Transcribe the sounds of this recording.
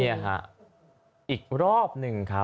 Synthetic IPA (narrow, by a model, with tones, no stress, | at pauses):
i˧˥a˨˩kʰa̰˦˥ | ʔiː˨˩k̚ɾɔː˥˩p̚nɯ˨˩ŋkʰa˦